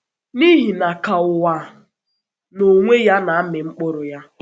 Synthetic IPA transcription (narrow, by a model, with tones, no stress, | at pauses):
ni˦ɦi˨na˨ka˨ʊ˨wa˨ | no˨ŋʷe˦ja˦na˨˦mɪ˨ŋ͡m̩˦k͡pʊ˦ɾʊ˨ja˦